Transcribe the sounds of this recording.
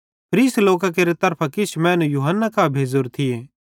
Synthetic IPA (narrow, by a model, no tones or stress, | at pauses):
pʰɾiːsloːk̬ak̬eːɾet̪ɐɾpʰakɪt͡ʃʰmɛ̃ːnũjuːɦənːakaːbʱeːd͡zoɾt̪ʰɪjeː